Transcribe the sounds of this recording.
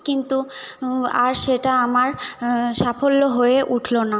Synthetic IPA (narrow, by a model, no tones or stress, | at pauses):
kint̪u | aɾʃeʈaamaɾʃafolːoɦoeʔuʈʰlona